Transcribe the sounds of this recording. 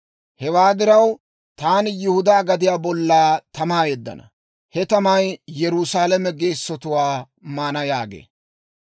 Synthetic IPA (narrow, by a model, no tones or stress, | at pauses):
hɛwaːd̪ɪɾɐw | t̪aːnɪjʊhʊd̪aːɡɐd̪ɪjaːbɔlːaːt̪ɐmaːjɛd̪ːɐ̰nɐ̰ | hɛt̪ɐmɐjjɛɾʊsaːlɛmɛɡeːsːɔt̪ʊwaː | maːnɐjaːɡḛː